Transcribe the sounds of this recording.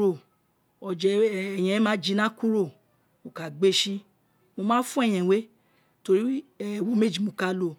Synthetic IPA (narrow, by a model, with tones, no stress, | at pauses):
o˨ | ɔ˨d͡ʒɛ˧˨ɛ˨j̃ɛ̃˧˦mãː˦d͡ʒi˧˦nã˦ku˦ɾo˦˨ | o˨ka˨ɡ͡be˦ʃi˦ | mo˧mãː˦fũ˦ɛ̃˦˨ɛ̃˨we˦ | to˧ɾi˦˨wõ˦me˦˨d͡ʒi˨mõ˨˧˦ka˧˦lo˧˨